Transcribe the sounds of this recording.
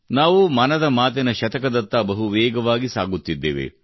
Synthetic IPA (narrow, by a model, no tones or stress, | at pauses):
naːʋumɐnɐd̪ɐmaːt̪̬ɐnɐʃɐt̪ɐkɐd̪ɐt̪ːɐbɐɦuʋɛːɡɐʋaːɡisaːɡut̪ːid̪ːḛːʋḛ